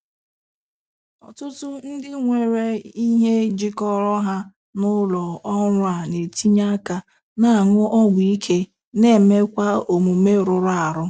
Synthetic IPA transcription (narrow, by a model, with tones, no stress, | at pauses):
ɔ̰˨tʊ˦tʊ˦n̩˦dɪ˦ŋʷe˨ɾe˦i˦ɦe˦d͡ʒi˦kɔ˦ɾɔ˦ɦa˦ | nʊ˦lɔ˨ɔ˦ɾʊ˦a˨ne˨ti˦ɲa˦ka˨ | na˦a˨ŋʊ˦ʔɔ˦ɡʷi˦kʰe˦ | ne˦˨me˦kʷa˦o˨mu˨me˦ɾʊ˨ɾa˨ɾʊ˦